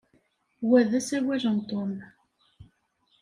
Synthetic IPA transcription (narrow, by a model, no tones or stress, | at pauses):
wæðæsæɾwæʒənt̪om